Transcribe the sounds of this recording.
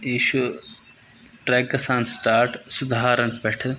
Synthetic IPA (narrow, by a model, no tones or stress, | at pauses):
iːʃu | ʈɾeːkːɐsãːnsʈaːɾʈsʊd̪ɦaːɾɐnpeʈʰ